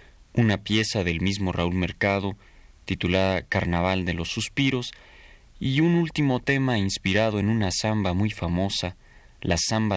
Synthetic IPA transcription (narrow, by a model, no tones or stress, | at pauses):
unapje̞saðe̞lmizmo̞raulme̞ɾkað̞o | t̪it̪ulaðakaɾnaβ̞ald̪e̞lo̞sːuspiɾo̞s | iunult̪imo̞t̪e̞mainspiɾaðo̞e̞nũnasambamujfamo̞sa | lasamba